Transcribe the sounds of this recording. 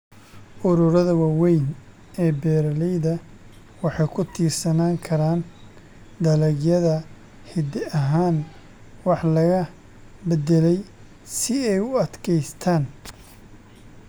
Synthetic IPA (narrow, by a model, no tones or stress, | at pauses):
ʔʊɾʊɾɐðɐwɑːwɛjn | ɛːbɛːɾɐlɛjðɐ | wɑħɑjkʰʊt̪ʰiːrsɐnaːŋkʰɐɾaːn | d̪ɐlɛɡjɐðɐ | hɪd̪ɪɐɦaːn | wɑħlɐɣɐ | bɛdɛlɛj | sɪɛjʊɐd̪kʰɛjst̪ʰaːn